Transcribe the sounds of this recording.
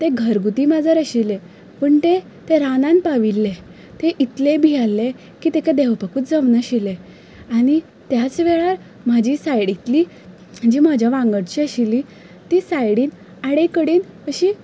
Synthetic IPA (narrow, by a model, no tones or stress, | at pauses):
t̪eɡʱəɾɡut̪iːmad͡zəɾəɕile | pəɳt̪e | t̪eɾanãn̚paʋilːe | t̪eʔit̪lebʱijalːe | kiːt̪ekad̪eʋpəkuːt̪d͡zəmnəɕile | aɽ̃i | t̪jat͡sʋeɭaɾ | m̤ad͡ʑiːsajɽit̪liː | d͡ʑiːm̤ad͡ʑʱjaʋãŋɡəɽt͡ɕiəɕilːi | t̪isajɽiːn | aɽekəɽiːnəɕi